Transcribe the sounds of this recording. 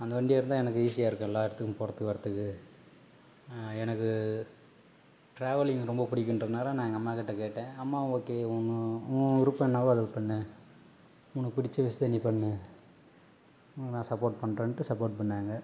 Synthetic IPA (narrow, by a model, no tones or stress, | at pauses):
ɐnd̪ɐʋɐɳɖɪjeːɾɯnd̪ãːɛnɐkːɯiːsɪjaːɪɾɯkːõɛlːaːɪɾɐt̪ːɯkːɯmpɔɾɐt̪ːɯkːɯʋɐɾɐt̪ːɯkːɯ | ɛnɐkːɯ | ʈɾaːʋɐlɪŋɡɾɔmbɐpʊɽɪkʲːɪnrɐðɯnaːlɐnaːŋɡɐɐmːaːkɪʈːɐkeːʈːẽːɐmːaːʊŋɡoːkːeːʊnːɯɡɪɾupːɐ̃ɛnːaːʋoɐðɐlpɐɳːɯ | mʊɳːɯpɪɽɪt͡ʃːɯʋɪsɯt̪ɐnːipɐɳːɯ | nãːsɐpːoːʈpɐɳɾeːnʈːɯsɐpoːʈ̚pɐɳːaːŋɡɐ